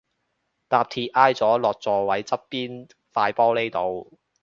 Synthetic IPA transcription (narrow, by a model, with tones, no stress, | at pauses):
t̪aː˨˧p̚t̪ʰiː˧ʔaː˧˥jt͡sɔː˨˥lɔː˨k̚t͡sɔː˨˧wɐ˨˥jt͡sɐ˥pːiː˥n | faː˧jpɔː˥le˥jt̪o˨˧w